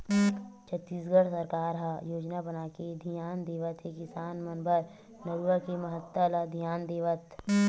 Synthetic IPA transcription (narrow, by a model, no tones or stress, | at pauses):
t͡ʃʰət̪ːiːsɡʱəɽsɐɾkaːɾɦɐjoːd͡ʒnabənaːked̪ʱijaːnd̪eːʋət̪ɦekɪsaːnmɐnbʱəɾ | nɐɾuəkemɐɦət̪ːəlad̪ʱjaːnd̪eːʋət̪